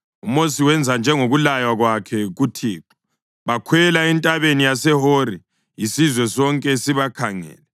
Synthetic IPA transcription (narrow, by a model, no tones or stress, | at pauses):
umosiwɛnd͡zʱand͡ʒʱɛŋoɣulajwaɣwakʰɛɣutʰiːǁɔ̥ | βakʰwɛlaɛntʼaβenijasɛɦoɾi | jisizwɛsɔŋkʼɛsiβakʰaŋɛ̰ːlɛ